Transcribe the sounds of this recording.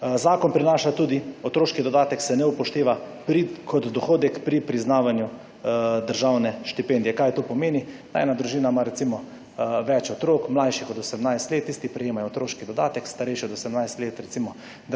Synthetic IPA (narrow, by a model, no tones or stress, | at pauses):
zaːkɔnpɾinaːʃat̪uːd̪iɔt̪ɾoːʃkid̪ɔd̪aːt̪ɛksɛnɛupɔʃt̪eːʋa | pɾikʰɔt̪d̪ɔxoːd̪ɛkpɾipɾiznaːʋanju | d̪əɾʒawnɛʃt̪ipeːnd̪jɛkajt̪oːpɔmeːnina̰ɛnad̪ɾuʒiːnamaɾɛt̪simɔ | ʋɛt͡ʃɔt̪ɾoːkmlajʃixɔd̪ɔsɛmnajst̪let̪ːist̪ipɾɛjeːmajoːt̪ɾoːʃkid̪ɔd̪a̰ːt̪ɛkst̪aɾɛjʃiɔd̪ɔsɛmnajst̪leːt̪ɾɛt̪simɔ | d̪